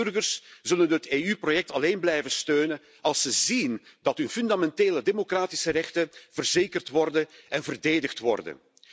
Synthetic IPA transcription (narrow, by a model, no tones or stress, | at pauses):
ɵrɣərszɵlənɦəteːyprojɛk̚tɑleːnblɛjvənstøːnən | ɑlˠsəzindɑtɦɵnfʏndamɛnteːlədemokraːtɪsərɛxtəv̥ərzeːkərtʋɔrdəɛnvərdeːdəxtʋɔ̰rdə̰n